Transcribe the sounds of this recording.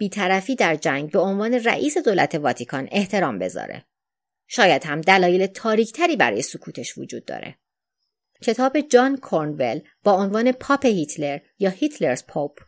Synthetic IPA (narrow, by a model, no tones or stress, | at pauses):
b̥iːt̪ʰæɾæfiːd̪æɾd͡ʒæŋɡbe̞o̞nvɒːne̞ræ̰ʔiːse̞d̪oːlæ̰t̪ʰe̞vɒːt̪ʰikʰɒne̞ht̪ʰe̞ɾɒːmbe̞̰zɒ̰ːɾḛ | ʃɒːjæd̪̥hæmd̪ælɒːje̞let̪ʰɒːɾiːcʰt̪ʰæɾiːbæɾɒːjesokʰuːt̪ʰe̞ʃvo̰d͡ʒṵːd̪̥̚ːɒ̰ːɾe̞̰ | cʰe̞t̪ʰɒːbe̞d͡ʒɒːnkʰoɾnve̞l | b̥ɒːonvɒːne̞pʰɒːpʰehit̪ʰleɾjɒːhit̪ʰle̞ɾzpʰopʰ